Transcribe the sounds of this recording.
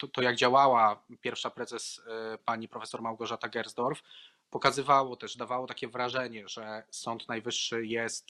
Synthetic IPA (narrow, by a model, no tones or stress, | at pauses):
t̪ɔt̪ɔjaɡd͡ʑawawapʲjɛɾfʂapɾɛzɛspaɲipɾɔfɛsɔɾmawɡɔʐat̪aɡɛɾzd̪ɔɾf | pɔkazɘvawɔt̪ɛʐd̪avawɔt̪akʲɛvɾaʐɛɲɛʐɛsɔnt̪najvɘʂːɘjɛst̪